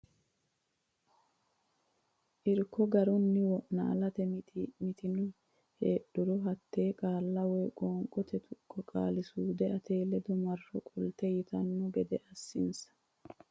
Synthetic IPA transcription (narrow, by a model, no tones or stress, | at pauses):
ʔɪɾkːɔɡɐɾʊnːɪwɔʔna̰ːlɐt̪ɛmɪt̪ɪnʊ | heːɗʊɾɔɦɐt̪ːe̞ːkʼaːlːɐwɔjkʼɔːŋkʼɔt̪ɛt̪ʰʊkʰːɔkʼa̰ːlɪsuːd̪ɛɐt̪ʰejlɛd̪ɔmɐrːɔkʼʊlt̪ɛjɪt̪ɐnːʊɡɛd̪ɛʔɐsːɪnsɐ̥